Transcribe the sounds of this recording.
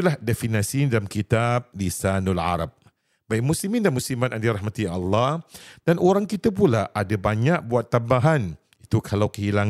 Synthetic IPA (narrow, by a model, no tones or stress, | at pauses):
t̪ulahdefinasidalamkit̪ap̚lisanulʕa̰ɾap̚ | baik̚musimĩndanmusimat̪andiɾahmat̪iʔa̰lːɑhd̥anʔoɾaŋkit̪ap̬ulaʔadabaɲak̚buat̪ːambaɦan | it̪ukʰalawkəɦilaŋ